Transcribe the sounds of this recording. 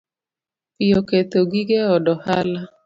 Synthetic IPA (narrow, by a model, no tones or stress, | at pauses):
pɪjoket̪oɡiɡeɔdɔhala